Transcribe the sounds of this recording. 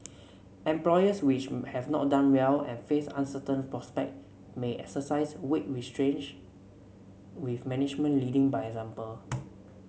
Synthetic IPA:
ɛ̃mplɔjəswit͡ʃhɛvnɔ̰t̚dãnwɛlɛ̰̃nfesã̰nsətə̃npɹɔspɛ̰k̚t̚ | meʔɛksəsaɪswet̚ɹistɹẽnd͡ʒ | wifmɛnɪd͡ʒmə̃nlidɪ̃ŋbajɛkzãmpəl

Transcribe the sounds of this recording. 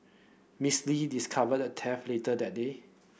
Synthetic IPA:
mislidiskʰavəd̚ətʰɛfletədɛt̚de

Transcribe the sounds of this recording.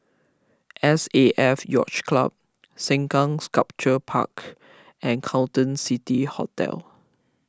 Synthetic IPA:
ʔɛseʔɛfjɔ̰t͡ʃkla̰b̚ | sɛ̃ŋkãŋskap̚t͡ʃəpʰa̰k | ʔɛ̃nkʰãtə̃nsitihɔ̰tɛ̰l

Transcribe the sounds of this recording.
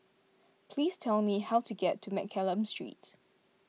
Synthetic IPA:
pʰliːstʰɛlmihaʊtʰuɡɛtʰːumɛ̰kʰɛlə̃mstɹḭˑt

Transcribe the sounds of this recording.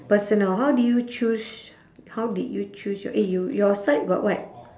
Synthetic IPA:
pəsə̃nəlɦawdujut͡ʃus | hawdidjut͡ʃusjɔ̰ʔijujɔsaɪt̚ɡɔ̰ʔwat̚

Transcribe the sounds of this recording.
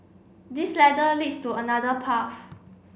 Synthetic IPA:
dislɛdəlidstuənadəpʰaf

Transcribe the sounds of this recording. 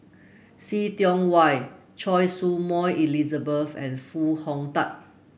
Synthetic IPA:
sitjɔ̃ŋwaj | t͡ʃʰɔjsumɔjilizəbəfɛ̰̃nfuhɔ̃ŋtat̚

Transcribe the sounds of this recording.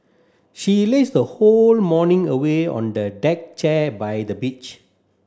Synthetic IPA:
ʃilesdəholmɔnĩŋəweɔ̰̃ndədɛk̚t͡ʃɛbajdəbit͡ʃ

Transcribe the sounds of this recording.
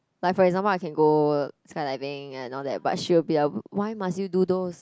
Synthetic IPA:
lajkfɔɹɛɡzãmpəlaɪkɛ̃nɡoskaɪlaɪvɪ̃ŋɛ̃nɔldɛ̰t̚b̥a̰t̚ʃiwəbilawaɪmastjududos

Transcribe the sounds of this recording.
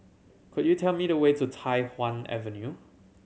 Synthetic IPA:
kʰʊdjutʰɛlmiɾəwetutʰaɪwãnɛ̰və̃nju

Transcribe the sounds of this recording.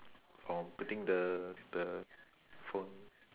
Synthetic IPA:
fɔ̃mputĩŋdədə | fõn

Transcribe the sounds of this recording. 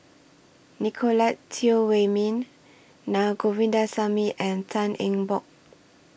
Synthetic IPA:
nikʰolatʰːiowemĩnː | aɡovĩndasamiʔɛ̃ntʰãnɛ̃ŋbɔk̚

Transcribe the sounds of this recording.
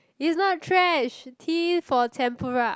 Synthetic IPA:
isnɔt̚tʰɹɛʃtʰifɔtʰɛ̃mpʰəɹa

